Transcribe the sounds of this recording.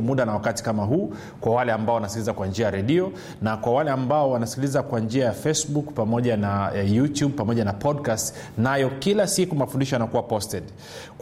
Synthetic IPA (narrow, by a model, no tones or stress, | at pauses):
muɗanawakati̥kamaɦuː | kwawalɛambaɔwanasi̥kilizakwand͡ʒiajaɾɛɗiɔ | nakwawalɛambaɔwanasi̥kilizakwand͡ʒiajafɛsbukpamɔʄanajutjuɓ̚pamɔʄanapʰɔdkast | najɔkilasikumafundiʃɔanakuwapɔstɛɗ